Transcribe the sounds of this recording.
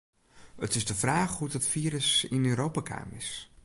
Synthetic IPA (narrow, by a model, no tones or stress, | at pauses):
ətɪzdəvraːχɦudətfiːɾəsɪnøːɾowpakʰa̰ːmɪs